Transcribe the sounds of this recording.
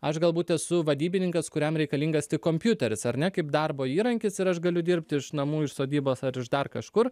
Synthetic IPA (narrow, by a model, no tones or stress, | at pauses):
ɐʃɡɐlˠbuːt̪ʲɛsʊʋɐd̪ʲiːbʲɪnʲɪŋkɐskʊɾʲɛmɾʲɛɪkɐlʲiŋɡɐst̪ʲɪkkːoːmʲpʲjʊt̪ʲɛɾʲɪsɐɾʲnʲɛkɐɪpd̪ɑrboːiːɾɐŋʲkʲɪsɪɾɐʃɡɐlʲʊd̪ʲɪɾʲpʲt̪ʲɪʃnɐmuːɪʃsoːd̪ʲiːboːsɐɾɪʒd̪ɐrkɐʃkʊr